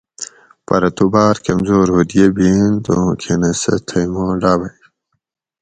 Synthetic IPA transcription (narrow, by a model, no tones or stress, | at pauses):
pɐ̰ɾɐt̪ubaːɾkɐmzoːɾhud̪ijebind̪okʰenɐsɐ̰t̪ʰɐjmoːɖaːbɐj